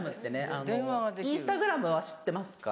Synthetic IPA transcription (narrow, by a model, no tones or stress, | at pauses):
mɯ̟tt̪ːe̞ne̞ʔaneoaɡad̪eĩsɨ̥t̪aɡɯ̟ɾamɯ̟βaɕi̥t̪ːe̞masɨ̥ka̰